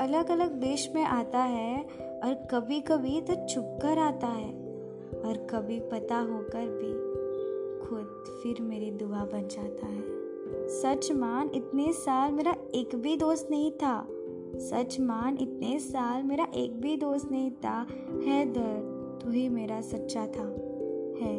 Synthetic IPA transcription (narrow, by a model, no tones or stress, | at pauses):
ɐləɡɐləɡ̚d̪eːʃmẽʔaːt̪aɦɛ | ɔːɾkɐbʱikɐbʱit̪ot͡ʃʰʊp̚kəɾaːt̪aɦɛː | ɔːɾkɐbʱipɐt̪aɦoːkəɾbʱi | kʰʊd̪̚ | fɪɾmeːɾid̪ʊabɐnd͡ʒaːt̪aɦɛː | sɐt͡ʃmaːnɪt̪nesaːlmeːɾaeːkbʱid̪oːst̪nɐɦĩt̪ʰaː | sɐt͡ʃmaːnɪt̪nesaːlmeːɾaʔeːk̚bʱid̪oːst̪nɐɦĩt̪ʰa | hɛːd̪ɐɾ | t̪uɦimeːɾasɐtːʃat̪ʰaː | hɛː